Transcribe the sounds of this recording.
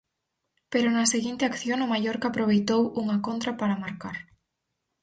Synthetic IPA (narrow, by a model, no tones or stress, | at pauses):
peɾʊnɐseɣint̪ɪakθjoŋʊmajoɾkaːpɾoβ̞ejt̪owuŋɐkont̪ɾapaɾɐmaɾkaɾ